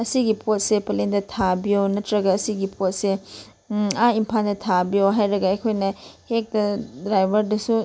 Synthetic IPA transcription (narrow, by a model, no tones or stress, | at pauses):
ɐsiɡipʰot̚sepɐlendɐtʰabionɐtɾɐɡɐːsiɡipot̚se | aimpʰandɐtʰabijoɦajɾɐɡɐɐjkʰojnɐhek̚dɐdɾajbɐɾdɐsu